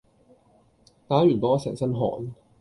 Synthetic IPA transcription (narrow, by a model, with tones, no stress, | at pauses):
t̪aː˨˥ɥyː˨˩nt̪ɔː˥sɛ̰˨˩ŋsɐ˥nɦɔ̰ː˨˩n